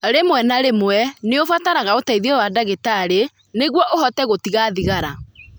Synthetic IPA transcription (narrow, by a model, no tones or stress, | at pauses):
ɾemwɛnaɾemwɛneofataɾaɣaotaiðɛwadaɣetaɾe | neɣwɔʔoɦɔtɛɣotiɣaðiɣaɾa